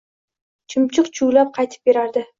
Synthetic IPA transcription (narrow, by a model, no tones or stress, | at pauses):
t͡ʃʰɪmt͡ʃʰɨqt͡ʃʰʊwlap̚qʰɑjt̪ʰɪ̥p̚beɾaɾd̪ɪ